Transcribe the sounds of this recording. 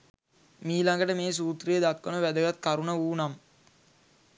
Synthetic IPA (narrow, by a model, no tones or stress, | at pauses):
miːlaŋɡəʈəmeːs̬uːt̪ɾijəd̪akːənəʋæd̪əɡat̪̚kaɾunəuːnam